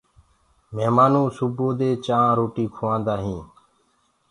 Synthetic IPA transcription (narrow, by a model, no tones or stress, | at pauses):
meɦmaːnũːsuboːd̪eːt͡ʃãːɾoːʈiːkʰoʋãːnd̪aːɦĩː